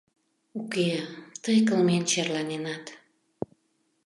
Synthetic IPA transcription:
uket̪əjkəlment͡ɕerlɑnenɑt̪

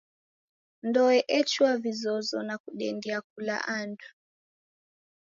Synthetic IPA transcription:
ndɔɛʔɛt͡ʃwavizɔzɔnakuɗɛndiak̚ula̰ʔandu

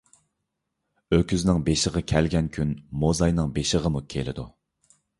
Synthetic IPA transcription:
økʲyznɪŋbeʃəʁɑkʲʰɛlɡʲɛnkʲʰynmozɑjnɨŋbeʃəʁəmukʲʰelɪ̰d̪u

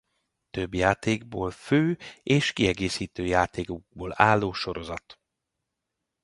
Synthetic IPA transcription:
t̪øbjaːt̪eːɡ̚boːlføːeːʃkiɛɡeːsiːt̪øːjaːt̪eːkuɡ̚boːlaːlːoːʃo̞ɾo̞zɒt̪

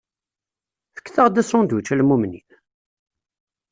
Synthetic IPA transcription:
θə̥kːθəʁd̪æsɾʊnd̪wət͡ʃːælmumnḭθ

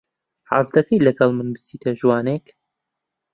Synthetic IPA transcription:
ħɑ̰zd̪ɐkʰəjlɐɡɐlˠmɨnbɨsiːt̪ʰɐʒuwɑːnek

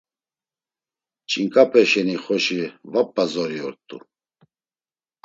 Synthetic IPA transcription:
t͡ʃʼiŋkʼapʰʼɛʃɛniχɔʃivapʼːazɔɾiɔɾt̪ʼṵ

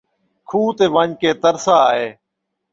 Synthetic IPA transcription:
kʰuːt̪eːʋãːɲkeːt̪əɾsaːɦeː

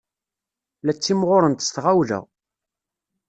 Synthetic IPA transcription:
læt͡sːimʁʊɾənt̪ə̥st̪ʁawðæ̰

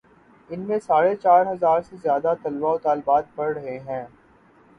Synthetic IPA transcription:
ɪnmẽsaːɽet͡ʃaːɾɦɐzaːɾsezjaːd̪at̪ɐlʋaːot̪aːlbaːt̪̚pɐɽɾɐɦeɦɛ̃ː

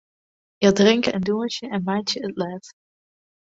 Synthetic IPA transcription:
jadrɪŋkəɛndumət͡ʃəʔɛnmaːtjəətlɛːt

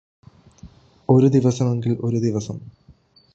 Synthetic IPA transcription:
o̞ɾud̪iʋɐsɐme̞ŋɡilʔo̞ɾud̪iʋɐsɐm

